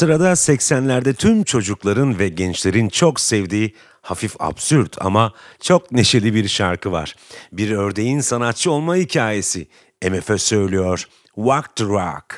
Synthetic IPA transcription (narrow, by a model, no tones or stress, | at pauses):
sɯɾad̪asɛcsænlʲæɾd̪ɛt̪ʰymt͡ʃʰo̞d͡ʒuklˠaɾɯnvɛɟɛnt͡ʃlʲe̞ɾint͡ʃʰo̞ksɛvd̪iː | hafifa̰bsyɾd̪ʰa̰mat͡ʃʰo̞kne̞ʃe̞lʲibiɾʃaɾkʰɯva̰ɾ̥biɾø̞ɾd̪e̞jinsanat̪̚t͡ʃʰɯo̞lˠmahicʰaːje̞si | emefɛsølʲijoɾ̥ | wakt̪ɾa̰k